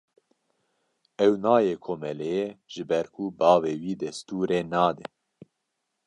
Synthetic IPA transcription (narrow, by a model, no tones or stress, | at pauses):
ɛwnɑːjeːkʰomɛlɛjeʒ̥ɨbɛɾkʰubɑːveːwiːd̪ɛst̪uːɾeːnɑːd̪ɛ